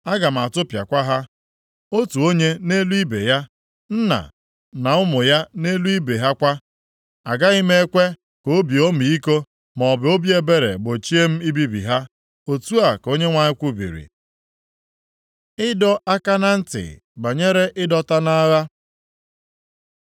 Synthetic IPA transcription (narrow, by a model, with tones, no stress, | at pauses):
a˦ɡa˨m̩˨a˨tʊ˦pja̰˨kʷa˦ɦa˦ | o˦tu˨o˦ɲe˦ne˦lu˦i˦bḛ˨ja˦ | n̩˦na̰˨ | na˨ʊ˦mʊ˨ja˦ne˦lu˦i˦be˨ɦa˦kʷa˦ | a˨ɡa˦i˦me˦e˦kʷe˦ | ko˨˦bi˨o˦mi˨i˦ko˦ | mɔ˨ɔ˨bɪ˨˦o˦bje˦be˦ɾḛ˨ɡ͡bo˨t͡ʃi˦e˦m̩˦i˦bi˦bḭ˨ɦa˦ | o˨tu˦a˨ko˦ɲe˦ŋʷa˨ɲɪ˦kʷu˦bḭ˨ɾḭ˨ | ɪ˦dɔ˦a˦ka˦na˦n̩˦tɪ̰˨ | ba˨ɲe˦ɾe˦ʔɪ˦dɔ˦ta˦na˦ɣa˦